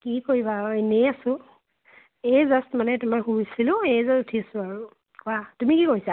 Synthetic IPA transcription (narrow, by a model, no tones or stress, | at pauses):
kikoibaeneasʊ̃ | ezastmanɛtumahusilʊ̃ejzasutʰisʊaɹu | kwatumikikojsa